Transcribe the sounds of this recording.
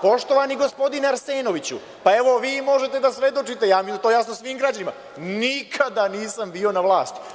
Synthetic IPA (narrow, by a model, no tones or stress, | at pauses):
po̞ʃt̪o̞ʋaniɡo̞spo̞d̪ineaɾse̞ːno̞ʋit͡ɕṵ | pae̞ʋo̞ʋiːmo̞ʒet̪ed̪asʋe̞d̪o̞t͡ʃit̪ejaːmit̪ojasnosʋiːmɡɾad͡ʑanima̰ | nikʰad̪aniːsambiːo̞naʋlˠaːst̪